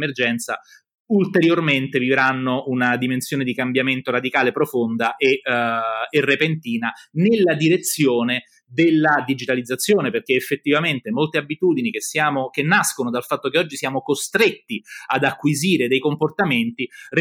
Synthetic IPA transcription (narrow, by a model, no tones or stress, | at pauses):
merd͡ʒɛnt̪sa | ult̪eɾjorment̪evivɾanːounad̪imensjoːned̪ikambjament̪oɾad̪ikaːlepɾofond̪aʔe | erːepent̪iːnanelːad̪iɾet̪sːjoːne | d̪elːad̪id͡ʒit̪alid̪zːat̪sːjoːneperk̟eefːet̪ːivament̪emolt̪eabit̪uːd̪inik̟esːjaːmok̟enːaskonod̪alfat̪ːokeɔd͡ʒːisijaːmokost̪ɾet̪ːiad̪akːwiziːɾed̪ejkomport̪ament̪ir